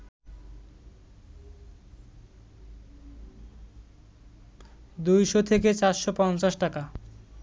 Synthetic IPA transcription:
d̪ujʃot̪ʰek̬et͡ɕaɾʃopɔnt͡ɕaʃʈaka

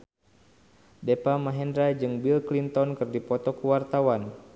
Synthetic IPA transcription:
dɛpamaɦɛndɾad͡ʒɨŋbilklint̪ɔnkɨrdipɔt̪ɔkuwart̪awan

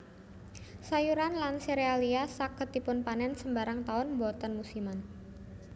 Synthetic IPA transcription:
sajuɾanlanseɾealiasakət̪ipʊnpanɛnsəmbaɾaŋt̪aʊnbɔt̪anmusiman

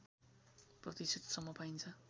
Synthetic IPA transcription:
prʌt̪isit̪sʌmːʌpaint͡sʰʌ

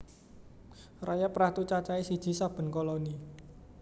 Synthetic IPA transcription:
rajapɾat̪ut͡ʃat͡ʃaisid̥ʒ̥i̤sab̥ə̤nkɔlɔni

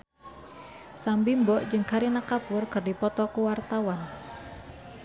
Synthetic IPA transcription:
sambimbɔʔd͡ʒɨŋkʰaɾinakapʊrkərdipɔt̪ɔkuwart̪awan

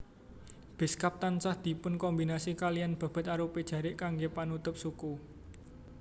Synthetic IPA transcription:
b̥e̤skap̚t̪ansahd̪̥i̤pʊnkɔmbinasikalijanb̥a̤b̥ə̤t̪aɾuped̥ʒ̥ä̤ɾɪʔkaŋɡepanut̪ʊp̚suku

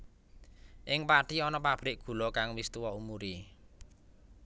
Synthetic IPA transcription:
ʔɪŋpaɖ̥iɔnɔpab̥ɾɪʔɡ̥ṳlɔkaŋwist̪uwɔumuɾi

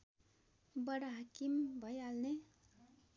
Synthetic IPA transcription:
bʌɽaɦakimbʱʌjalne

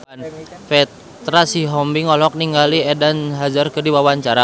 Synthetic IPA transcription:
nfɛ | t̪ɾasiɦɔmbiŋɔlɔk̚niŋɡaliɛdanɦad͡ʒərkɨrdiwawaɲt͡ʃaɾa

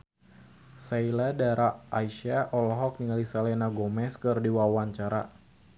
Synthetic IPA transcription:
sailadaɾaaiʃaʔɔlɔɦɔk̚niŋalisalɛnaɡɔmɛskɨrdiwawaɲt͡ʃaɾa

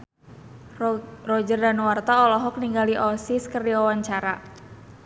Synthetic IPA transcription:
rɔd͡ʒərdanwart̪aɔlɔɦɔk̚niŋɡaliʔɔsiskərdiwawaɲt͡ʃaɾa

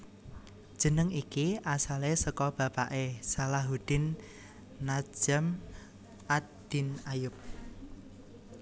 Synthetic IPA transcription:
d̥ʒ̥ə̤nəŋikiʔasalesəkɔb̥ä̤paʔesalaɦud̪̥ɪ̤nː | ḁʒ̥əm | ʔad̪̥i̤najʊp̚

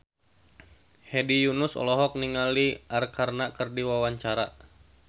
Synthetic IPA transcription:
hɛdijunusɔ̰lɔɦɔk̚niŋaliʔarkarnakərdiwawaɲt͡ʃaɾa

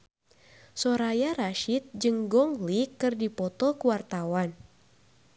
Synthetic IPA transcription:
sɔɾajaɾaʃit̪̚d͡ʒɨŋɡɔŋlikɨrdipɔt̪ɔkuwart̪awan

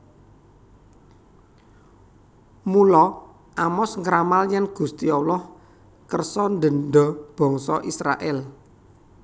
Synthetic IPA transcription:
mulɔ | ʔamɔsŋɾamaljanɡ̥ṳst̪iɔwlɔh | kərsɔnd̪ə̤nɖ̪ɔb̥ɔ̤ŋsɔʔisɾa̰ʔɛl

